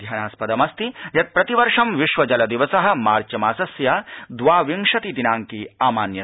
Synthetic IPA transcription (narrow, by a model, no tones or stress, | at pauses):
d̪ʱjaːnaːspɐd̪ɐmɐst̪ijɐt̪̚pɾɐt̪iʋɐɾʂɐmʋiʃʋɐd͡ʒɐlɐd̪iʋɐsɐɦɐ̆maːɾt͡ʃɐmaːsɐsjad̪ʋaːʋiŋʂɐt̪id̪inaːŋkiaːmaːnjɐ